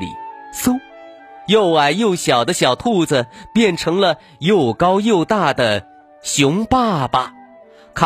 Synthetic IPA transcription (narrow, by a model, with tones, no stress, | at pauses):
lḭ˨˩˦su˥ | jo˥˩ʊa˨˩ɪjo˥˩ʊɕjɑ˨˩ʊd̪ə˦ɕjɑ˨˩ʊt̪ʰu˥˧d͡zə˧pjɛ˥˩nʈ͡ʂʰɤ˧˥ŋlə˧ | jo˥˩˧ʊkɑ˥ʊjo˥˧ʊt̪a˥˩d̪ə˩ | ɕjʊ˧˥ŋpa˥˩bɐ˨˩ | kʰ